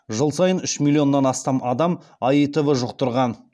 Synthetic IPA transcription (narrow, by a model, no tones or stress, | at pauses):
ʒəlˠsɑjənʏʃmilʲio̞nːɑnɑst̪ɑmɑd̪ɑmɑjət̪ʏvəʒʊq̚t̪əɾʁɑn